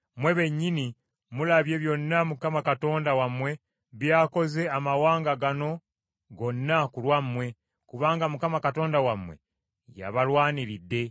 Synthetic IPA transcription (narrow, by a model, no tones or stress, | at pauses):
mwe̞βe̞ɲːini | mulaβje̞βjo̞nːamukamakato̞ːndawamwe̞ | βjaːko̞ze̞amawaːŋɡaɡano̞ | ɡo̞nːakulwamwe̞ | kuβaːŋɡamukamakato̞ːndawamwe̞̰ | ja̰βalwaːniɾidːe̞